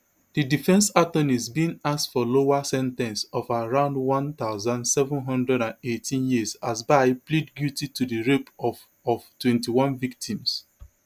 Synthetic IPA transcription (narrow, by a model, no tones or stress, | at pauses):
didifɛ̃nsatɔ̃nizbĩŋastfɔloasɛ̃ntɛ̃nsɔfaɹãʊ̃ndwɔ̃nt̪aʊzãndsɛvũnɦʌ̃ndɹɛɾãnetʰĩnjizazbaɪplidɡjutitudiɹepɔ | ɔvtwɛ̃ntiwɔ̃nvik̚tĩms